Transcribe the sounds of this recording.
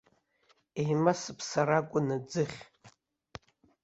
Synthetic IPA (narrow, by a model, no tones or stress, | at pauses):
ejmasɨpʰsaɾakʷʼʊnɨd͡zɨχʲ